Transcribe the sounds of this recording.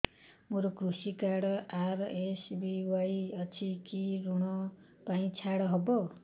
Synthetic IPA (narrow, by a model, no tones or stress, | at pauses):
moɾokɾusikaɽʌʔaresbiwajʌt͡sʰikiɾuɽ̃ʌ | paĩt͡sʰaɽʌɦʌbo